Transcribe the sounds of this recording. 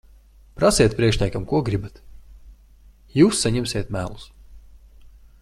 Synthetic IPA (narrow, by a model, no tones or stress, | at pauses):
pɾasʲɛjt̪̚pɾʲiɛkʃnʲajkamkuɔɡɾibat̪ | juːsːaɲɛmsʲeːt̪mʲæːlˠus